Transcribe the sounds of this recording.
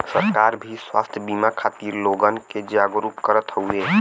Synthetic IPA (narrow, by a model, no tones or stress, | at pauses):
səɾkaɾbʱiswa̰ːst̪ʰjəbimakʰaːt̪iːɾloɡənked͡ʒaɡɾupkəɾət̪ɦoue